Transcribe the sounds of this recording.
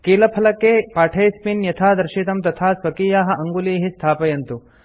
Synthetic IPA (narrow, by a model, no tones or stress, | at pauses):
kiːlɐpʰɐlɐkːepaːʈʰeːspinjɐt̪ʰaːd̪ɐɾʃit̪ɐmt̪ɐt̪ʰaːsʋɐkiːjaːɦɐ̆ʔɐŋɡuliːɦist̪ʰaːpɐjɐnt̪u